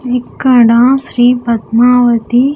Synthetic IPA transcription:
ikːɐɽãːsɾiːpɐt̪maːʋɐt̪i

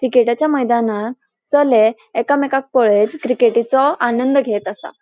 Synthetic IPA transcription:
kɾikeʈat͡ɕjaməjd̪ana | t͡səleː | kamɛkak̚pəɭet̪kɾikeʈit͡sɔanənd̪əɡʱet̪asa̰

